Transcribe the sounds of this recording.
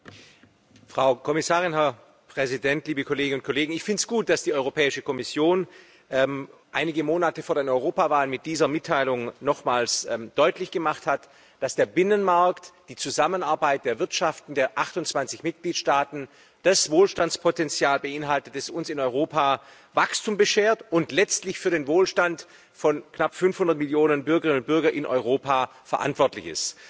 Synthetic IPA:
fʁ̥aʊkʰɔmɪsaːʁɪnɦɛɐ | pʁ̥ɛzidɛntliːbəkʰoleːɡənʊnt̚kʰoleːɡŋ̩ɪçfɪntsɡ̥uːt̚d̥asd̥iːɔʏʁopʰɛːɪʃəkʰɔmɪsjoːn | ʔɛmʔaɪnɪɡəmoːnatəfoːɐdeːnɔʏʁoːpavaːlənmɪt̚d̥iːzɐmɪtʰːaɪlʊŋnɔχmaːlsɛːmd̥ɔʏtlɪçɡ̥əmaχthat | d̥asd̥eːɐbɪnənmaɐktd̥iːt͡suzamənaɐbaɪt̚d̥eːɐvɪɐtʃaftn̩deːɐʔaχtʊnt͡sv̥ant͡sɪçmɪt̚ɡ̥liːtʃtaːtn̩ | d̥asvoːlʃtant͡spʰotɛnt͡sjaːlbəʔɪnɦaltət̚d̥asʊnsɪnɔʏʁoːpʰaː | vakstuːmbəʃeːɐtʊntlɛt͡stlɪçfyːɐɾeːnvoːlʃtant | fɔnknapfʏnfhʊndɐtmɪljoːnənbʏɐɡəʁɪnʊnt̚b̥ʏɐɡɐʔɪnʔɔ̰ʏʁ̞oːpaː | fɛɐʔa̰ntv̥ɔɐtlɪçɪ̰st

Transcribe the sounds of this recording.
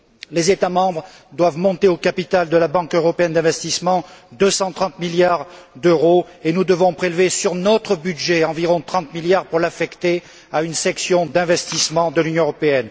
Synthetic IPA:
lezet̪amɑ̃bʁ | d̪wavmɔ̃t̪eokapit̪ald̪əlabɑ̃køʁɔpeɛnd̪ɛ̃vɛst̪ismɑ̃d̪øsɑ̃t̪χɑ̃t̪miljaʁ | d̪øʁo | enud̪əvɔ̃pχelvesyʁnɔt̪χəbyd̪ʒeɑ̃viʁɔ̃t̪χɑ̃t̪miljaʁpuʁlafɛkt̪e | aynsɛksjɔ̃d̪ɛ̃vɛst̪ismɑ̃d̪əlynjɔ̃øʁɔpeɛn

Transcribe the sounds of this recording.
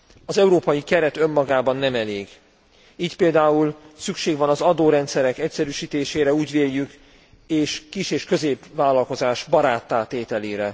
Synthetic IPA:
ɒzɛuɾoːpɒjikɛɾɛt̪ø̞mːɒɡaːbɒnːɛmɛleːɡ | iːcpeːld̪aːulsykʃeːɡʋɒnɒzɒd̪oːɾɛnt̪sɛɾɛkɛcsɛɾyːʃiːt̪eːʃeːɾɛuːɟʋeːjjːyk | eːʃkiʃeːʃkøzeːpvaːlɒlko̞zaːʒbɒɾaːt̪ːaːt̪eːt̪ɛleːɾɛ

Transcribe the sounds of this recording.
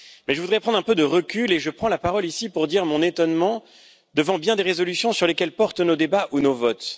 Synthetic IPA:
mɛʒəvud̪ʁɛpχɑ̃d̪ʁɛ̃pød̪əʁəkʲyleʒəpχɑ̃lapaʁɔlisipuʁd̪iʁmɔ̃net̪ɔnmɑ̃ | d̪əvɑ̃bjɛ̃d̪eʁezɔlysjɔ̃syʁlekʲɛlpɔʁt̪nod̪ebaʔunovɔt̪

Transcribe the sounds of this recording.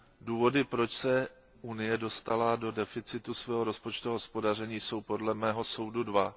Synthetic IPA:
duːvo̞dɪpɾo̞t͡ʃsɛ | unɪjɛdo̞st̪alado̞dɛfɪt͡sɪt̪usvɛːɦoɾo̞spo̞t͡ʃt̪uɦospo̞dar̝ɛɲiːso̞wpo̞dlɛmɛːɦo̞so̞wdudva

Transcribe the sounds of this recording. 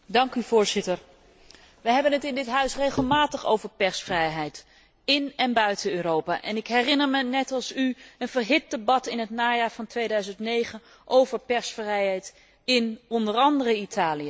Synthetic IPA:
dɑŋkyv̥ʊːɹzɪtəɹ | ʋəɦɛbənətɪndɪtɦœɥsrejχəlˠmaːtəχo̰wvəɹpɛɹsfrɛjɦɛjt | ɪnɛnbœɥtənøːrowpaːʔɛnɪkɦɛrɪnəɹmənɛtɑlˠsyənvəɹɦɪt̚dəbɑtɪnɦətnaːjaːɹvɑntʋejdœɥzəntnejχən | ʔowvəɹpɛɹsfrɛjɦɛjt | ɪnɔndərɑndərəitʰaːliə

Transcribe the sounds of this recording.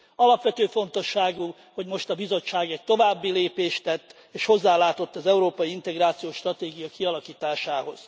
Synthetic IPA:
ɒlɒpʋɛt̪øːfo̞nt̪o̞ʃːaːɡu | ho̞ɟmo̞ʃt̪ɒbizo̞t͡ʃːaːɡɛc̚t̪o̞vaːbːileːpeːʃt̪ɛt̪ː | eːʃho̞zːaːlaːt̪o̞t̪ːɒzɛuɾoːpɒjiint̪ɛɡraːt̪sijoːʃt̪rɒt̪eːɡijɒkiɒlɒkiːt̪aːʃaːɦo̞̰z̥

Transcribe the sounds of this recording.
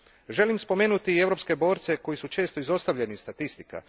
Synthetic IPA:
ʒe̞limspo̞me̞ːnut̪ie̞ʋɾo̞pske̞bo̞ːɾt̪se̞ko̞jisut͡ʃe̞ːst̪o̞izo̞st̪aʋʎe̞nist̪at̪ist̪ika̰

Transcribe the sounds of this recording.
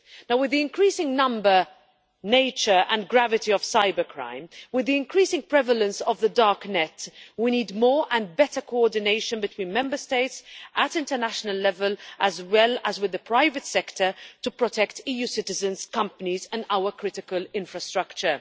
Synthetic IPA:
naʊwɪðiɪ̃nkʰɹiːsɪ̃ŋnʌ̃mbə˞ | neɪt͡ʃə˞ə̃nɡɹavɨtiəv̥saɪbəkʰɹ̥ã̰ɪ̃mwɪðiɪ̃nkʰɹ̥isɪ̃ŋpʰɹ̥ɛvələ̃nsəvðədɑɹknɛtwiniːdmɔːɹʔə̃nbɛtə˞kʰoɔɹdɪneɪʃə̃nbɨtʰw̥ĩːnmɛ̃mbə˞steɪtsʔətɪ̃ntənaʃnəlːɛvəlʔəzwɛləzwɨðəpʰɹ̥aɪvɨtsɛktʰə˞təpɹɔtʰɛktiːjusɪtɨzə̃nz̥kʰʌ̃mpənizə̃naʊəkʰɹ̥ɪtɪkəlɪ̃ɱfɹəstɹ̥ʌkt͡ʃə

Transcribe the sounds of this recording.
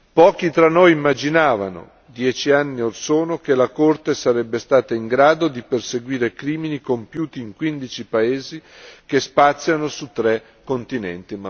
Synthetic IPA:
pɔːk̟it̪ɾanːojimːad͡ʒinaːva̰no̰ | d̪jɛːt͡ʃianːiorsoːnok̟elakort̪esaɾɛbːest̪aːt̪aiŋɡɾaːd̪od̪iperseɡwiːɾekɾiːminikompjuːt̪iːŋkwind̪it͡ʃipaeːzikespat̪sːjanosut̪ːɾɛ | kːont̪inɛ̰nt̪im

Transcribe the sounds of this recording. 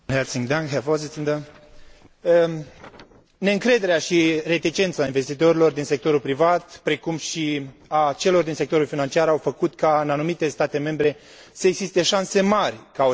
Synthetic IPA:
nɦɛɾsiŋd̪aŋkɦɛvozit̪ind̪ə | ne̞ɨŋkɾe̞d̪e̞ɾeaʃire̞t̪it͡ʃe̞nt̪sainve̞st̪it̪o̞ɾilo̞rd̪inse̞k̚t̪o̞ɾulpɾivat̪pɾe̞kumʃiat͡ʃe̞lo̞rd̪inse̞k̚t̪o̞ɾulfinant͡ʃiaɾawfəkut̪kaɨnanumit̪e̞st̪at̪e̞me̞mbɾe̞ | səe̞ɡzist̪e̞ʃanse̞marʲkao

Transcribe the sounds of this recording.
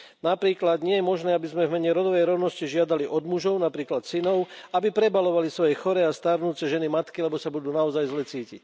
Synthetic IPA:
napɾiːklad̪ɲɪɛjɛmɔʒnɛːabizmɛvmɛɲɛɾɔd̪ɔʋɛjɾɔʊnɔsciʒɪad̪aliʔɔd̪muʒɔʊnapɾiːklat̪sinɔʊabipɾɛbalɔʋalisʋɔjɛxɔɾɛast̪aɾnuːt͡sɛʒɛnimat̪kilɛbɔsabud̪uːnaɔzajzlɛt͡siːcḭc

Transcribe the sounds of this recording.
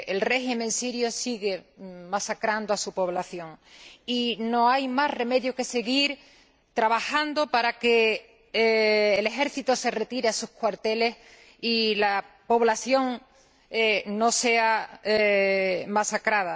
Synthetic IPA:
elre̞ximẽnsiɾjosiɣe̞masakɾand̪oasupo̞βlaθjõ̞ŋino̞ajmahre̞me̞ðjoke̞se̞ɣiɾ | t̪ɾaβahand̪opaɾake | le̞xe̞ɾθit̪ose̞re̞t̪iɾeasuhkwaɾt̪e̞le̞s | ilapo̞βlaθjo̞ŋ | no̞se̞a | masakɾaða

